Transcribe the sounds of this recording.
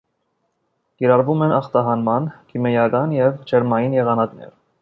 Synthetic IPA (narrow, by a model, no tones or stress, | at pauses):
kiɾɑɾvumɛnɑχt̪ɑɦɑnmɑnkʰimɛjɑkɑnjɛvd͡ʒʰɛɾmɑjinjɛʁɑnɑknɛ̰ɾ